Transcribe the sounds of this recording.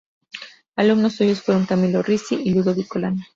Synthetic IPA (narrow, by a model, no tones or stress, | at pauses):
alumnosːuʝosfweɾoŋk̪amilorisiʔiluðoβikolana